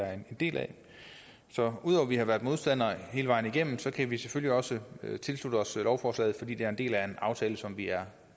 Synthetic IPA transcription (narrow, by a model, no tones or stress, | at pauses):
æend̥e̝̰ːlʔæ̰ | sɒ̽uð̰ˠɒʊɐʋihɑ̈ʋæɐd̥̚ˠmo̝ðˠsd̥æn̰ɐhe̝ːləʋɑ̈ɪ̰n̩iɡ̥em̰m̩sɒ̽kʰæʋiseføljiɒ̽sət͡sʰe̝lslud̥əɒ̽slɒʊfɒːslɛ̰ːð̩ˠfɒ̽d̥ḭːd̥e̝æɐe̝nd̥e̝̰ːlæɐe̝nɑ̈ʊt͡sʰɛːləsɒ̽mʋiæɐ